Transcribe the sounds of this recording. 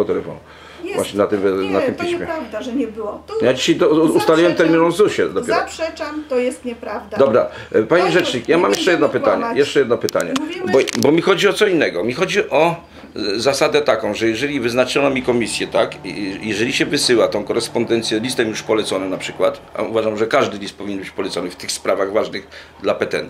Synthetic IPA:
ɔt̪ɛlɛfɔ̰nu | vwa̰ɕɲɛnat̪ɪmnat̪ɪmpʲiɕmʲɛd̪ʐɛɲɛbwɔjad͡ʑiɕajt̪ɔust̪alʲiwɛmt̪ɛɾmʲinɔ̃nzuɕɛd̪ɔjɛɾɔʂɛt͡ʂamt̪ɔjɛst̪ɲɛpɾavd̪d̪ɔbɾapaɲiʐɛt͡ʂɲikjamamjɛʂt͡ʂɛjɛd̪nɔpɘt̪aɲajɛʂt͡ʂɛjɛd̪nɔpɘt̪a̰ɲɛ̰bɔbɔmʲixɔd͡ʑiɔt̪sɔinːɛɡɔmʲixɔd͡ʑiʔɔ | zasad̪ɛt̪akɔ̃w̃ʐɛjɛʐɛlʲivɘznat͡ʂɔnɔmʲikɔmʲisʲjɛt̪akjɛʐɛlʲiɕɛvɘsɘwat̪ɔ̃w̃kɔɾɛspɔnd̪ɛnt̪sʲjɛlʲist̪ɛmjuʂpɔlɛt̪sɔnɛnapʂɘkwat̪a̰uvaʐamʐɛkaʐd̪ɘlʲist̪̚pɔvʲiɲɛnbɘt͡ɕʲpɔlɛt̪sɔnɘft̪ɘxspɾavaɣvaʐnɘɣ | d̪lapɛt̪ɛ̰nt̪

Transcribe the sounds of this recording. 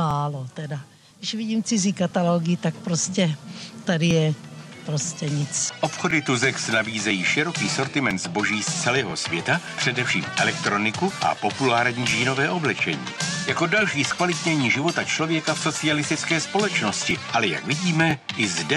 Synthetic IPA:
maːlot̪ɛda | dɪʃvɪɟiːmt͡sɪziːkat̪aloɡɪt̪akpɾoscɛt̪adɪjɛ | pɾoscɛɲɪt͡sʔo̞pxo̞dɪt̪uzɛksnabiːzɛjiːʃɪɾo̞kiːso̞ɾt̪ɪmɛnt̪zbo̞ʒiːst͡sɛlɛːɦo̞svjɛt̪apr̥ɛdɛfʃḭːmʔɛlɛk̚t̪ɾo̞nɪkuʔa̰po̞pulaːɾɲiːʒiːno̞vɛːʔo̞blɛt͡ʃɛ̰ɲḭːjako̞dalʃiːskvalɪt̪ɲɛɲiːʒɪvo̞t̪at͡ʃlo̞vjɛkafso̞t͡sɪalɪst̪ɪt͡skɛːspo̞lɛt͡ʃno̞scɪʔalɛja̰kvɪɟiːmɛʔɪzdɛ

